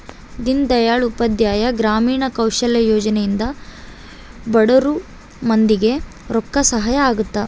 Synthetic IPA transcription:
d̪ind̪ɐjaːɭupɐd̪jaːjɐɡɾaːmiːɳɐkɐwʃɐljɐjoːd͡ʒɐnejind̪ɐ | bɐɽɐɾu | mɐnd̪iɡe̞ | ɾɔkːɐsɐɦajɐaːɡut̪ːɐ

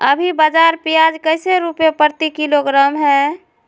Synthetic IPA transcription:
əbʱibad͡ʒaɾpijad͡ʒkəɪseɾupepəɾt̪ikiloɡɾaːmɦɛ

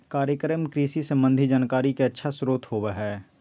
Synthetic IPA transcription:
kaːɾjəkɾəmkɾiːsisəmbə̃nd̪ʱid͡ʒaːnkaːɾikeɐtːʃʰasɾoːt̪ɦoːʋəɦɛː

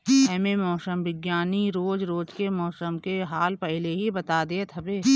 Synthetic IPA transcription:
ɛːmemɔːsəmʋɪɡjaːniɾoːd͡ʒɾoːd͡ʒkemɔːsəmkeɦaːlpɛɦɪleɦibɐt̪ad̪eet̪ʰɐbeː

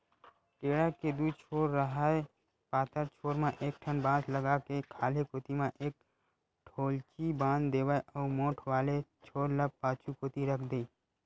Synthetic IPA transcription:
ʈeːɽaked̪uːt͡ʃʰoːɾːəɦae | paːt̪əɾt͡ʃʰoːɾmẽʔeːk̚ʈʰənbãːd͡ʒləɡakekʰaːlekot̪imẽʔeːk̚ | ʈʰoːlt͡ʃibãːnd̪eːʋaeʔɔːɾmoːʈʰʋaːlet͡ʃʰoːɾləb̚pãːt͡ʃukoːt̪iɾəkʰd̪eː

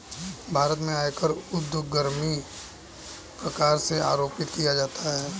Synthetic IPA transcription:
bʱaːɾət̪mẽaːjkəɾʊd̪jʊɡəɾmi | pɾɐkaːɾsea̰ːɾoːpɪt̪kijad͡ʒaːt̪ʰaɦɛː

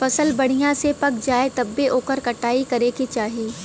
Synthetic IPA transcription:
fɐsəlbɐɽ̤ijãsepɐkd͡ʒaːet̪ɐbːeʔoːkəɾkɐʈaːikɐɾeːkit͡ʃaːɦieː

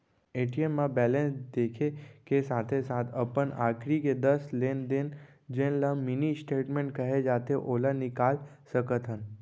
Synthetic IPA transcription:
eːʈiemːãbɛːlẽnsd̪eːkʰekesaːt̪ʰesaːt̪ʰəpəna̰ːkɾiked̪əsleːnd̪en | d͡ʒẽːnlamɪnisʈeːʈmẽːɳʈ̚kəɦed͡ʒaːt̪eʔoːlanɪkaːl | səkət̪ɦən

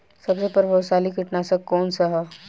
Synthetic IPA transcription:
sɐbsepɐɾbʱɐwsaːlikɪʈnasɐkkːɔːnsɐɦɐ

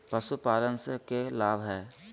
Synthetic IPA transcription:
pəsupaːlənsekelaːbɦɛː

